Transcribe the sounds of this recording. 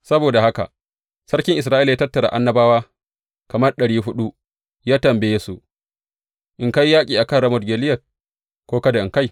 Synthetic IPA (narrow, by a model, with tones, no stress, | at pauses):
sɐ˦boː˨da˨ha˦ka̰˨ | sɐ˦rkʲɪ˦ŋʔɪ˨s̬ɾaː˦ʔɪ˦ljaː˦tɐ˦tːɐ˨ɾa̰˨ʔa˦nːɐ˦baː˦waː˦ | kɐ˨mɐ˦rɗɐ˨ɽiː˦ɦʊ˦ɗu˦ | jaː˦tɐ˨mbe˦jsu˨ʔ | ʔɪ˨ŋka˦jːaː˦kʲʼiː˨ʔa˨kɐ˦˨nɾɐ˦mɔ˨dɡʲeː˨lɪ˦jɐ˨t̚ | kʷoː˦kɐ˦da˨ʔɪ˨ŋka˦j